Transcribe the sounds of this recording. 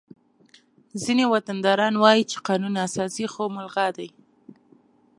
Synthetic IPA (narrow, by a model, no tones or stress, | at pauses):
zinewat̪and̪ɑɾɑnwɑjit͡ʃe̥qɑnunasɑsixomʊlɣɑd̪aj